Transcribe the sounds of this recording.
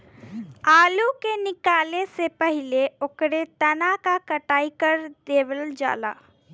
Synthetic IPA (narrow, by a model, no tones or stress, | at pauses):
aːlukenɪkaːlesepəɦɪleokɾet̪ənakakəʈaːikəɾd̪eːʋəld͡ʒa̰ːla̰ː